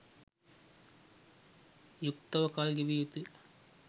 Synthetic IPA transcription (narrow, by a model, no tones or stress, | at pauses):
juk̚t̪ɐʋɐkaːlɡiʋijut̪ːɯ